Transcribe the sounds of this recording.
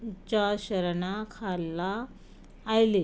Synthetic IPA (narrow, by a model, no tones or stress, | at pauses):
t͡ɕaɕəɾɳakʰalːaː | jle